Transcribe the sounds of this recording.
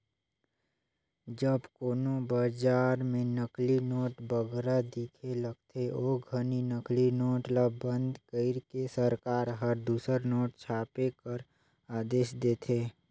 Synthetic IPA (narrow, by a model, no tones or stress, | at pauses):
d͡ʒəbkoːnobad͡ʒaːɾmẽnəklinɔːʈbəɡɾad̪iːkʰeləɡ̚t̪ʰeoːɡʱəninəklinɔːʈlabə̃nd̪kəɪɾkesəɾkaːɾɦəɾd̪uːsəɾnɔːʈ̚t͡ʃʰaːpekəɾ | aːd̪eːʃd̪eːt̪ʰeː